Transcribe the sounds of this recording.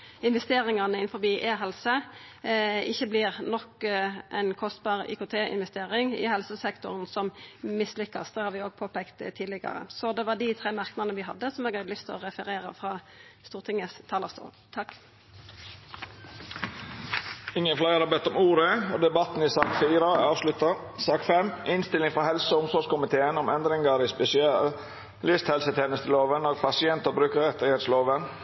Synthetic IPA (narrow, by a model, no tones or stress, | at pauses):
ɪnʋɛst̪eːɾɪŋɑnəɪnfɔʁbiːʔeːɦɛlsə | ɪçːəblɪʁnɔkʔɛnkʰɔst̪bɑːʁḭːkʊt̪ʰeːɪ̰nʋɛst̪eːʁɪŋɪ̰ɦɛlsəsɛkt̪ʊʁənsɔmmɪslʏkːɑst̪d̪ɛːhɑːɾʋɪoːɡ̚pʰoːpɛːkt̪t̪ʰiːlɪɡɑ̰ɾə̰sɔd̪ɛʋɑɖ̪ɪt̪ʰʁeːmɑʁknɑnəʋɪɦɑd̪ːəsɔmɛːɡhɑd̪əlʏst̪ʰɔ̰ʁɛfəɾeːʁə̰fʁɑː | st̪uːʁt̪ʰɪŋəst̪ʰɑːləʁst̪ṵːl | t̪ʰɑk | ɪŋːənflæɪəɾɑbɛt̪ːɔmuːɾəɔːd̪ɛbɑt̪n̩ɪsɑːkfiːɾəɑːʋslʉt̪ɑsɑːkfɛmɪnst̪ɪlɪŋfɾɔhɛlsəʊmsɔʂkʊmɪt̪ʰeːənɔmɛnd̪ɾɪŋəɾɪspɛsɪɑl | lɪst̪hɛlsət̪ʰeːnəst̪ʰəloːʋənoːɡ̚pʰɑsɪɛnt̪əɾbɾʉːkəɾʁɛt̪ɪheːt̪sloːʋən